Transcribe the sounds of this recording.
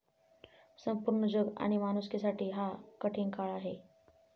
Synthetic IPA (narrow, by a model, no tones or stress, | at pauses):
səmpuɾɳəd͡ʑoɡa̰ɽ̃imanuskesaʈʰiːɦakəʈʰinkaɭaɦe